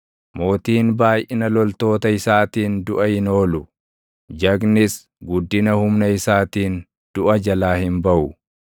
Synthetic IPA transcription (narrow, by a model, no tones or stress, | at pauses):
mo̞ːt̪iːnbaːjʔɪnɐlɔlt̪o̞ːt̪ɐɪsaːt̪iːnd̪ʊʔɐhɪno̞ːlʊ | d͡ʒɐɡnɪs | ɡʊd̪ːɪnɐhʊmnɐɪsaːt̪iːn | d̪̥ʊʔɐd͡ʒɐlaːhɪnbɐʔʊ